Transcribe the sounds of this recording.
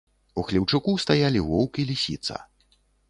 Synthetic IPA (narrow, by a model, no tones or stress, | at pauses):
uxlʲiwt͡ʂukust̪ajalʲivɔwkʲilʲisʲḭt̪sɐ̰